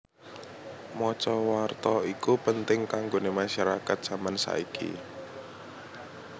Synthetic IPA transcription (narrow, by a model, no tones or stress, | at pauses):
mɔt͡ʃɔwart̪ɔikupənt̪ɪŋkaŋɡonemaʃaɾakat̪̚z̥ä̤mansa̰ikḭ